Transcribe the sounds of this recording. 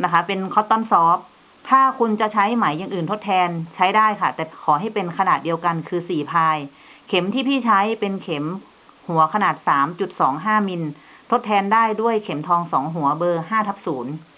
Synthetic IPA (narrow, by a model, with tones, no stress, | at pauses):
na˦˥kʰa˦˥pe˧nkʰɔ˦˥t̪ːɔː˧˥nsɔː˦˥p̚ | t̪ʰaː˥˩kʰu˧nt͡ɕa˨˩t͡ɕʰa˦˥jma˩˦jːaː˨˧˩ŋʔɯː˨˩nt̪ʰo˦˥t̪ʰɛː˧nt͡ɕʰa˦˥jdaː˥˩jkʰa˥˩t̪ɛː˨˩kʰɔː˩˦ɦa˥˩jpe˧nkʰa˧naː˨˩di˧əwka˧nkʰɯː˧siː˨˩pʰaː˧j | kʰe˩˦mt̪ʰiː˥˩pʰiː˥˩t͡ɕʰa˦˥jpe˧nkʰe˩˦m | hu˩˦ɐkʰa˧naː˨˩t̪̚saː˩˦mt͡ɕu˨˩t̪̚sɔː˩˦ŋɦaː˥˩mi˧n | t̪ʰo˦˥t̪ʰːɛː˧ndaː˥˩jdu˥˩əjkʰe˩˦mt̪ʰɔː˧ŋsɔ̰ː˩˦ŋɦu˩˦ɐbɤː˧ɦaː˥˩t̪ʰa˦˥˩p̚suː˩˦n